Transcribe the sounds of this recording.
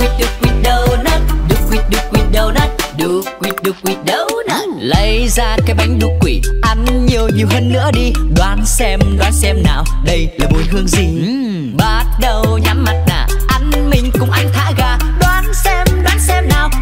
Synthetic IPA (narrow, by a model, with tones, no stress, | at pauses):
kwi˨˩t̚ɗɨ˨˧˩kːwi˨˩t̚ɗə˨˩wnə˨˦˥ɗɨ˨˩kwi˨˧˩t̚ɗɨ˨˧˩kwi˨˩t̚ɗə˨˩wnə˨˦˥ɗɨ˧˩˦wi˨˩ət̚ɗɨ˨˧k̚wi˨˧˩t̚ɗə˨˩wnə˧˦lə˧˦jzaː˧kɛ˨˧˦ɓa˨˦jŋ̟ɗu˨˧˦kːwḭ˨˩ʔa˧˩nɲi˨˩əwɲi˨˩əwɦəː˧nːɨ̰˧˥əɗi˧ɗwaː˨˦nsɛ˧mɗwaː˨˦nsɛ˧mnaː˨˩w | ɗə˧jlaː˨˩mo˨˩nhɨ˧əŋzi˨˩ | ɓa˦t̚ɗə˨˩wɲa˨˦mːa˨˩t̚na̰ː˧˨˩ | ʔa˧˩nmï˧˩ŋ̟kʊ̰˧˥ŋ͡mʔa˧jŋ̟t̪ʰaː˧˥ɣaː˧ | ɗwaː˨˦nsɛ˧mɗwaː˨˦nsɛ˧mnaː˨˩w